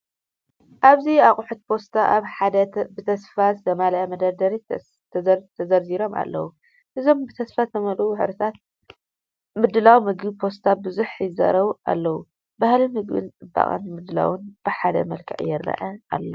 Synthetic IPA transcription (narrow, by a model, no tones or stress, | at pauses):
ʔaβziakʼʊħut̪̚pʰo̞st̪ʰaʔaβħad̪ɐbɨt̪ʰɐsfaszɐmalɐʔɐmɐd̪ɐɾd̪ɐɾi | t̪ʰt̪ʰɐzɐɾziɾo̞ma̰lːɐwu | ʔɨzo̞mbɨt̪ʰɐsfat̪ʰɐmɐluħɨɾɨt̪ʰat̪̚ | mɨd̪ɨlawmɨɡɨβpʰo̞st̪ʰabɨzuħjɪzɐ̰ɾɐβua̰lːɐwu | bahlimɨɡbɨ̰nt͡sʼɨbːa̰χʼa̰nmɨd̪ɨla̰wɨnb̥ɨħad̪ɐ̰mɐlkʰɐʔʼjɪrːɐ̰ʔɐa̰lːɐ